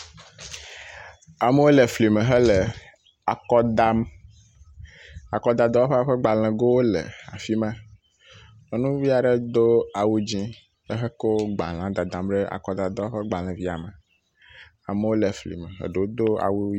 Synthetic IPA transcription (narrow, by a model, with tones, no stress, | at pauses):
a˨me˦wo˦le˨fli˨mẽ˨ɦɛ˦le˨ | a˨kɔ˦d̪a˦m | a˨kɔ˦d̪a˨d̪ɔ˦a˦ɸe˦a˦ɸe˦ɡ͡ba˨l̃ɛ̃˨ɡo˦wo˦lḛ˨a̰˨fi˦mã˦ | nɔ̃˨nũ˦vi˦a˨ɖe˦d̪o˦a˨wu˦d͡ʑĩ˦ | ə˦ɦe˦ko˦ɡ͡ba̰˨l̃ã˨˦d̪a˨d̪ã˨mɖe˦ʔa̰˨kɔ˦d̪a˨d̪ɔ˦ɸe˦ɡ͡ba˨l̃ɛ̃˨vi˦a˨mə̃˨ | a̰˨me˦wo˦le˨flḭ˨me˨ɦə̰˨ɖe˨wo˦d̪o˦a̰˨wu˦